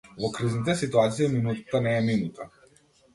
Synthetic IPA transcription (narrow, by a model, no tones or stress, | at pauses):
vɔkɾiznit̪ɛsit̪uat̪siiminut̪ḁt̪anɛːminut̪ʰa